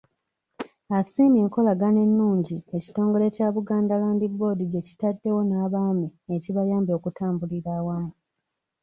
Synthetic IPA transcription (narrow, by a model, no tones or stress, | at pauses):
asiːmeːŋko̞laɡane̞nːuːɲɟie̞ci̥to̞ːŋɡo̞le̞caːβuɡaːndalaːnbibo̞diɟe̞ci̥tadːe̞wo̞naːβaːmieciβajaːmbo̞kutaːmbuliɾaːwamu